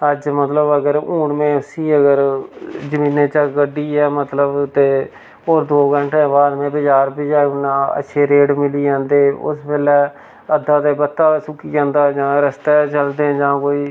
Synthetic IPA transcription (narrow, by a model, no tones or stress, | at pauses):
əd͡ʒmət̪ləbəɡəɾuːɳmẽːʊsiːəɡəɾd͡ʒəmĩːnẽːt͡ʃaɡəɖiːɛːmət̪ləbt̪eː | oːɾd̪oːɡəɳʈẽːbaːd̪mẽːbəd͡ʒaːɾbɪd͡ʒaːʊnãːə̰ːʃʰeːɾeːɖmɪliːd͡ʒãːnd̪eːʊ̰sbeːlɛː | əd̪ːaːt̪eːbət̪ːaːsʊkiːd͡ʒãːnd̪aːd͡ʒãːɾəst̪ɛːt͡ʃəld̪ẽːd͡ʒãːkoːiː